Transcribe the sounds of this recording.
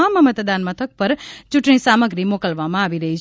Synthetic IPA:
aməmət̪d̪anmət̪ʰək̚pəɾt͡ʃʊʈɳ̃isaməɡɾimokəlʋamãaʋiɾəɦit͡ʃ

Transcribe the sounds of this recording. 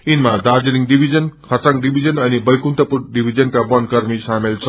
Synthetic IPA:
inmadaɾd͡ʒiɾiŋdibʱizʌnkʰʌsaŋdibʱizʌnʌnibʌjkunt̪ʌpuɾdibʱizʌnkabʌnkʌɾmisamelt͡sʰʌ

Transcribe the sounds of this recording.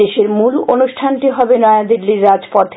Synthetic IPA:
eʃeɾmulonuʃʈʰanʈiɦɔbenɔead̪iɾːiɾːad͡ʑpɔt̪ʰ

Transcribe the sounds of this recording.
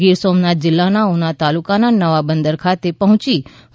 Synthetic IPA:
ɡɪɾsomnad͡ʒɪlːanaunat̪alukananəʋabənd̪əɾkʰat̪epəɦʊ̃t͡ʃi

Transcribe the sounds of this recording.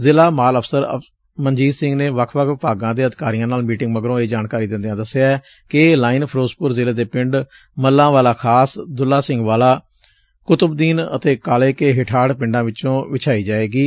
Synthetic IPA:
zɪlaːmaːləfʰsəɾə̰ | mənd͡ʒiːzsɪ̃ŋɡneːʋəkʰʋəkʰʋɪpaːɡãːd̪eːəd̪ɪkaːɾijãːnaːlmiːʈɪ̃ŋɡməɡɾõːeːd͡ʒaːnkaːɾiːd̪ɪ̃nd̪ejãːd̪əseaɛː | kɪlaːiːnpʰɾoːspʊɾzɪleːd̪eːpɪ̃ɳɖ | məlːãːʋaːlaːkʰaːsd̪ʊlːaːsɪŋɡʋaːlaː | kʊt̪əbd̪iːnə̰t̪eːkaːleːkeːɦɪʈʰaːɽpɪ̃ɳɖãːʋɪt͡ʃõːʋɪt͡ʃʰaːiːd͡ʒaːeːɡiː

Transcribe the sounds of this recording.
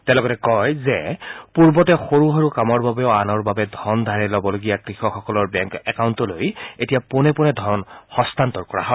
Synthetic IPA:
tɛ̃lɔɡɔtɛkɔjzɛpuɹbɔtɛxoɹuɦaɹukamɔɹbabɛʊanɔɹbabɛdʱɔɹndʱaɹɛlɔbɔloɡijakɹixɔxɔkɔlɔɹbɛŋkɛkawntɔlojetijapʊnɛpʊnɛdʱɔɹɔnxɔstantɔɹkɔɹa̰ɦɔ

